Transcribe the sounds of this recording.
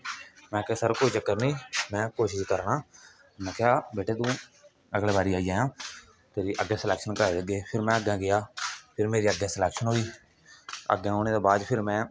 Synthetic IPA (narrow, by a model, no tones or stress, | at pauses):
mɛ̃ːkesəɾkoːiːt͡ʃəkːəɾnĩːmɛ̃ːkoːʃɪʃkəɾnaː | mɛ̃ːkɪjaːbeːʈeːt̪ũː | əɡleːbaːɾiːaːiːaːjãː | p̪ʰeːɾiːʔəɡɛ̃ːsəlɛːkʃənkəɾaːeːəɡeːpʰɪɾmɛ̃ːəɡɛ̃ːɡɪjaːpʰɪɾmeːɾiːəɡːɛ̃ːsəlɛːkʃənɦoːiː | ə̰ɡɛ̃ːɦoːñeːd̪eːbaːd̪pʰɪɾmɛ̃ː